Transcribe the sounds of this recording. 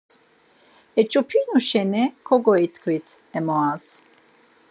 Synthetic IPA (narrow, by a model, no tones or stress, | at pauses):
ɛt͡ʃʼupʰinuʃɛnɛkʰɔɡɔit̪ʰkʰwit̪ʰ | ɛmɔas